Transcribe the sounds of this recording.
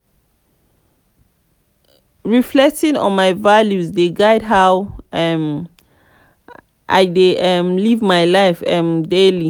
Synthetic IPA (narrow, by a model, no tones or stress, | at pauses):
ɹiflɛk̚tĩnɔ̰̃nmajvaljusdeɡaɪdɦawm | ʔa̰jdeʔɛmlivmajlaɪfɛ̃mdeli